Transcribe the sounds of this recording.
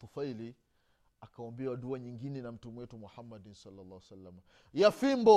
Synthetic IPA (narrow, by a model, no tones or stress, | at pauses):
t̪ufaili | akaɔmbɛawaɗuaɲiŋɡinɛnam̩tumwɛtumuhamːadinsalːalˠˤːahwɛsalːama | jafimbɔ